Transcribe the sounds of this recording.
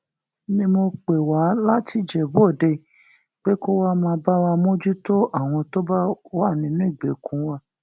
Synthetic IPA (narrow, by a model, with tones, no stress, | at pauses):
nĩ˧˦mo˧k͡pe˨wa˨˦la˦tʰi˧˦d͡ʒɛ˨bu˨˦o˦˨de˧˨ | k͡pe˦ko˦wa˦mã˧ba˦wa˧mo˦d͡ʒu˦to˦ʔa˦˨w̃ɔ̃˧to˦ba˦wa˦˨nĩ˧˦nũ˦i˦˨ɡ͡be˨˦kʰũ˨˦wa˦